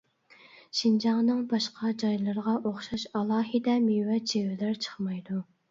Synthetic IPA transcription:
ʃind͡ʒɑŋnɨŋbɑʃqʰɑd͡ʒɑjlˠɨɾʁɑʔoχʃɑʃɑlˠɑːɦid̪ɛmiwɛt͡ʃʰewɪlæɾt͡ʃʰə̥χmɑjd̪u

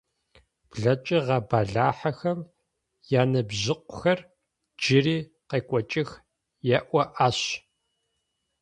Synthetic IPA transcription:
b̥ɮɐt͡ʃʼɪʁɐbaːɮaːħaxɐm | jaːnɐbʑɪqʷʊxɐr | d͡ʒɪriː | qeːkʷʼɔt͡ʃʼɪx | jɛʔʷɔʔaːɕ

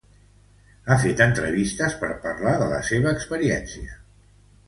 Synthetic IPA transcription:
afet̪ənt̪ɾəβist̪əspəɾpəɾlaðələ̰seβəːkspəɾiɛnsiə

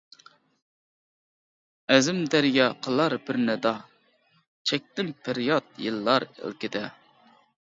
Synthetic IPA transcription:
ɛzɪmd̪æɾjɑqʰəlˠɑɾbɪɾnɪd̪ɑ | t͡ʃʰɛk̚ʲt̪ɪmpʰɪɾjɑt̪̚jɨlˠːɑɾɪ̰lˠkʲɪd̪ɛ

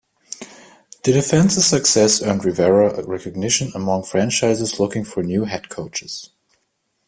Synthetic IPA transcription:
ðɨdɨfɛ̃nsəsɨksɛsə̃nɹivɛɹəɹɛkɨɡ̚nɪʃə̃nəmɔ̃ŋfɹæ̃nt͡ʃaɪzəzlʊkɪ̃ŋfə˞njʉɦɛd̚kʰoʊt͡ʃɪz̥

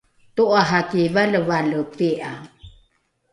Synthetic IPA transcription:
toʔaɦakivaləvaləpiʔa

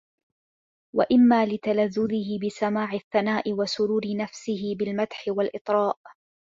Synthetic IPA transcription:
wa̰ʔɪmːaːlɪt̪alaðːʊðɪɦɪbɪsamaːʕɪθːanaːʔɪwasʊɾuːɾɪnafsɪɦɪbɪlmat̪ħɪwalʔɪt̪ˤɾˤɑːʔ

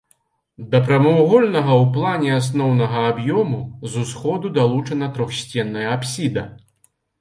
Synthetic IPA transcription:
d̪ɐpɾɐmuwɣɔlʲnɐɣɐwplˠanʲɛas̬nɔwnɐɣɐabjɔmuzusxɔd̪ud̪alˠut͡ʂɐnɐt̪ɾɔxsʲt͡sʲɛnːɐjɐapsʲid̪ɐ̰

